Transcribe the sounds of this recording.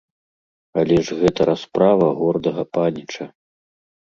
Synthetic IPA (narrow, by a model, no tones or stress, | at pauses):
alʲɛʐɣɛt̪ɐɾʔaspɾavɐɣɔrd̪ɐɣɐpanʲit͡ʂɐ